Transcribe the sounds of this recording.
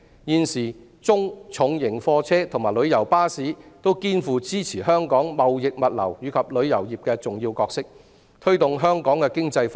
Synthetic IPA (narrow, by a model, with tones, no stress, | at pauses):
jiː˨˧nsiː˨˩ | t͡sʊ˥ŋt͡ʃʰʊ˨˧ŋjɪ˨˩ŋfɔː˧t͡sʰɛː˥t̪ʰʊ˨˩ŋmaː˨˩jlɵ˨˧ɥjɐ˨˩wpaː˥siː˨˥t̪o˥wkiː˥nfuː˨˧t͡siː˥t͡sʰiː˨˩ɦœː˥ŋkɔː˨˥ŋmɐ˨wjɪ˨k̚mɐ˨t̚lɐ̰˨˩wjyː˨˧kʰɐ˨p̚lɵ˨˧ɥjɐ˨˩wjiː˨p̚kɛː˧t͡sʊ˨ŋjiː˧wkɔː˧k̚sɪ˥k̚ | t̪ʰɵ˥ɥt̪ʊ˨ŋɦœː˥ŋkɔː˨˥ŋkɛ˧kɪ˥ŋt͡sɐ˧jf